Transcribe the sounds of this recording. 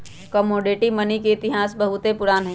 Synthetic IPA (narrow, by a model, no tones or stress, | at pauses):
kəmoːɖeʈimɐnikeɪt̪ɪɦaːsbɐɦʊt̪epʊɾaːnɦɛː